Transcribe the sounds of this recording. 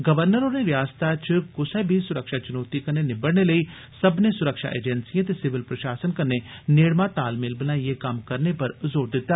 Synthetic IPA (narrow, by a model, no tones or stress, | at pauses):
ɡəʋəɾnəɾoːɾneːɾɪjaːst̪aːt͡ʃkʊsɛːbʱiːsʊɾəkʃaːt͡ʃʊnoːt̪iːkənːeːnɪbəɽneːləiː | səbneːsʊɾəkʃa̰ːʔḛːd͡ʒɛnsiãt̪eːsɪʋɪlpɾəʃaːsənkənːeːneːɽmãːt̪aːlmɪlbənaːieːkəmkəɾneːpəɾzoːɾd̪ɪt̪ːaː